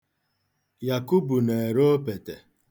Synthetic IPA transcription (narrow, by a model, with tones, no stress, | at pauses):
ja˨ku˦bu˨ne˨e˨ɾo˦o˦pe˨te˨